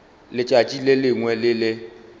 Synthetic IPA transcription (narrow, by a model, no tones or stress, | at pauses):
lɪt͡ʃʼat͡ʃʼilɪlɪŋwɛlɪlɪ